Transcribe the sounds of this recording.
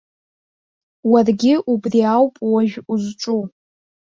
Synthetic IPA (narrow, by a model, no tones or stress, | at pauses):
warɡʲɪʔubriawpʼwaʒᶣuzʈ͡ʂʼu